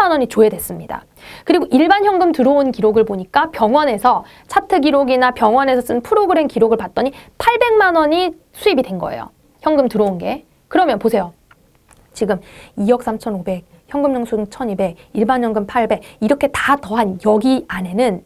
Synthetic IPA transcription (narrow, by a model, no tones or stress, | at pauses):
anʌɲit͡ɕoɦedwe̞s͈ɯmɲida̰ | kɯɾiɡoʔiɭbançjʌŋɡɯmtɯɾʌonkiɾoɡɯɭpoɲik͈apjʌŋwʌne̞sʰʌ | t͡ɕʰatʰɯɡiɾoɡinapjʌŋwʌne̞sʰʌs͈ɯnpʰɯɾoɡɯɾe̞mkiɾoɡɯɭpat̚t͈ʌɲipʰaɭbe̞ŋmanʌɲi | sʰuibidwe̞nɡʌ̰ḛjo̰ | çjʌŋɡɯmtɯɾʌunɡe̞ | kɯɾʌmjʌnposʰe̞jo | t͡ɕiɡɯmijʌk̚s͈ʰamt͡ɕʰʌnobe̞k̚ | çjʌŋɡɯmɲoŋsʰut͡ɕʰʌnibe̞ɡiɭbançjʌŋɡɯmpʰaɭbe̞ɡiɾʌkʰe̞tatʌɦanjʌɡiane̞nɯn